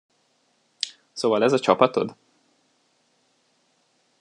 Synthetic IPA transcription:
soːvɒlɛzɒt͡ʃɒpɒt̪o̞̰d̪

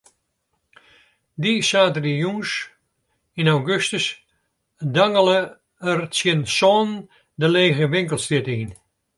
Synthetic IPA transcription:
disaːtdijus | inawɡøstəs | daŋələ | ərt͡sjənsɔːn | dəleːɣəʋɪŋkəlˠstɪtin

